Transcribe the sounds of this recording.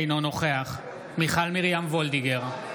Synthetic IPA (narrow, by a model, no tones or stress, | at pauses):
jnono̞χeaχ | miχalmiʁjamvold̪iɡeʁ